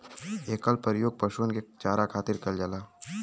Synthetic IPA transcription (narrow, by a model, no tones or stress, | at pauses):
eːkaːlpəɾjoːɡ̚pəʃuənket͡ʃaːɾakʰaːt̪ɪɾkɐld͡ʒəlaː